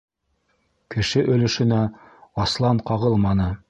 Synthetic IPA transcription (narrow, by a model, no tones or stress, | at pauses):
kɘ̆ʃɘʔɵ̆lɘ̆ʃɘ̆næ | ɑslˠɑɴqɑʁɤlˠmɑnɤ